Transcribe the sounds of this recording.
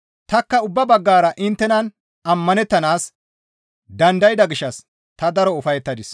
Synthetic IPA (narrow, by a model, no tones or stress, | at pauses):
t̪ɐkːɐʊbːɐbɐɡːaːɾɐʔɪnt̪ːɛnɐn | ɐmːɐnɛt̪ːɐnaːs | d̪ɐnd̪ɐjɪd̪ɐɡɪʃːɐs | t̪ɐd̪ɐɾɔʊfɐjɛt̪ːɐd̪ɪs